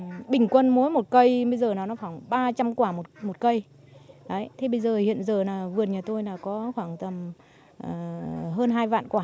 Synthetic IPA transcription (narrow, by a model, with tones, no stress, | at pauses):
ɓï˨˩ŋ̟kwə˧nmu˨˦əjmo˨˩t̚kə˧jɓə˧jzəː˨˩nɔ˨˦nɔ˨˦xa˧˩ŋ͡mɓaː˧t͡ɕa˧mkwaː˧˩mo˨˩t̚mo˨˩t̚kə˧j | ɗə˨˦jt̪ʰe˧˩ɓə˧jzəː˨˩hḭ˧˨ənzəː˨˩naː˨˩vɨ˨˩əɲaː˨˩t̪o˧jnaː˨˩kɔ˨˦xwaː˧˩ŋt̪ə˨˩m | ʔəː˨˩ɦəː˧nɦaː˧jva̰ː˧˨nkwaː˧˩